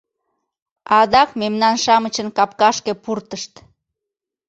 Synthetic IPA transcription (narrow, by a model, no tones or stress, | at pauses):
ɑd̪ɑkmemnɑnʃɑmət͡ɕənkɑp̚kɑʃkepurt̪əʃt̪